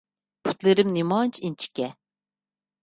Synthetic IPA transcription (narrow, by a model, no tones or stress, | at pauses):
pʰu̥t̪lɪɾɪmnimɑːnt͡ʃʰint͡ʃʰi̥kʲːɛ